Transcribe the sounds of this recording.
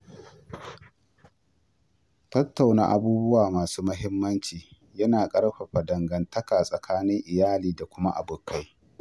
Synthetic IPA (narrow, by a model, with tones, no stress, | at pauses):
tɐ˦tːa˨wna̰˦ʔa̰˨buː˦bʊ˦waː˨maː˨suː˦mɐ˦ɦɪ˦mːɐ˦nt͡ʃiː˨ | jɐ˦naː˨kʼɐ˦ɽɸa˨ɸa˨dɐ˨ŋɡɐ˨ntɐ˦kaː˨sʼɐ˨kʰaː˦nɪ˦ŋʔɪ˨jaː˦liː˨da˨kʷʊ˦ma˦ʔa˨bʊ˨kːa˦j